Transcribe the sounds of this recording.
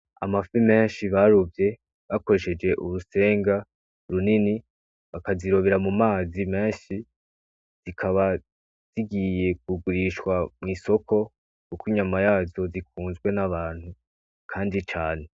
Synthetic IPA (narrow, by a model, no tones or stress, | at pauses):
a̰mafime̞ːnʃiβaɾuvje̞ | βako̞ɾe̞ʃe̞d͡ʒe̞ʔuɾuse̞ːŋɡa | ɾunini | βakaziɾo̞βeɾamumaːzimeːnʃi | z̥ikʰaβa | z̥iɡije̞k̚uɡuɾiʃwamŋiːso̞ko̞ | kukiɲamajaːzo̞zikuːnzɡwe̞naβaːn̥hu | kʰaːndit͡ʃaːne̞